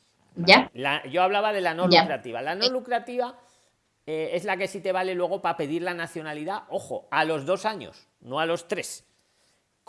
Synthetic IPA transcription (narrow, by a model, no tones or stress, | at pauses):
alaʝo̞aβ̞laβað̞e̞lanolukɾat̪iβalano̞lukɾat̪iβa | ee̞zlake̞sit̪e̞βale̞lwe̞ɣ̞o̞pape̞ðiɾlanaθjo̞naliðaʔo̞xo̞̰alo̞zðo̞saɲo̞̰s | no̞alo̞st̪ɾe̞s | k